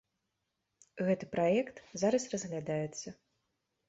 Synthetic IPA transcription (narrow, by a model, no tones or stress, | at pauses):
ɣɛt̪ɨpɾajɛkt̪zaɾɐsrɐzɣlʲad̪ajɛt̪sːɐ